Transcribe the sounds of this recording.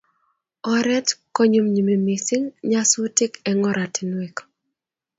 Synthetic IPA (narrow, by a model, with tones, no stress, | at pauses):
ɔɾɛ˦tko˦ɲu˦mɲumi˨mi˨sɪ˦ŋɲa˦su˦tɪ˦kɛŋɔ˦ɾʔa˨tinwek